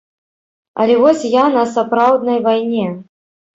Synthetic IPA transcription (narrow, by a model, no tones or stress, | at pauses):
ɐ̰lʲɛvɔsʲjanɐsapɾawd̪nɐjvajnʲɛ